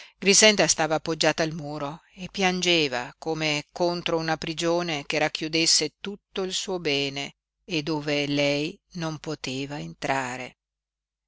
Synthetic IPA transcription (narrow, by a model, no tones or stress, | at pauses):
ɡɾisɛnd̪ast̪aːvaːpːod͡ʒːaːt̪aːlmuːɾoepːjand͡ʒeːvakomekont̪ɾounapɾid͡ʒoːnekerakːjud̪esːet̪ut̪ːoilsuːobɛːneː | d̪ːoːvelɛjnompot̪eːvaent̪ɾaːɾḛ